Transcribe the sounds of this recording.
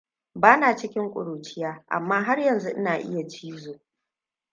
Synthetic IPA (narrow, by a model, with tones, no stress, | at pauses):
baː˦naː˨t͡ʃɪ˦kʲɪ˦ŋkʷʼʊ̰˨ɽuː˨t͡ʃɪ˦jaː˦ʔa̰˨mːaː˦ɦa˦rjɐ˨nzu˦ʔɪ˦naː˨ʔɪ̰˦ja˨t͡ʃiː˦zoː˨